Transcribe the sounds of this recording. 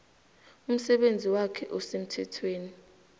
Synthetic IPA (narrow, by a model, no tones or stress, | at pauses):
um̩sɛɓend͡zʱiwakʰɛʔɔsem̩tʰɛtʰweːni